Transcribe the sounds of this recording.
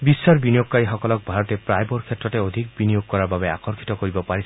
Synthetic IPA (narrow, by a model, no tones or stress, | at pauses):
bisːaɾbinijoɡkaiɦɔkɔlɔk̚bʱaɾɔt̪epɾajbɔɾkʰjet̪ːɾɔt̪eod̪ʱik̚binijoɡ̚kɔɾababea̰kɔɾkʰi̥t̪ɔkoɾibɔpaɾisʰ